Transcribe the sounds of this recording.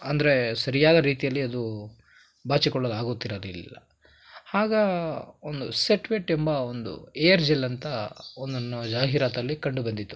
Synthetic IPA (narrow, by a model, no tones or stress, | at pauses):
ɐnd̪ɐɾe̞sɐɾijaːd̪ɐɾiːt̪ijɐlːiɐd̪u | baːt͡ʃikɔɭːɐd̪aːɡoːt̪ːiɾɐd̪illːɐ̰ | haːɡɐond̪useʈʋeʈːembɐo̞nd̪ṵejɐɾd͡ʒelɐnt̪ɐond̪ɐnːɐd͡ʒaːɦiɾaːt̪ɐlːikɐɳɖubɐnd̪it̪ːu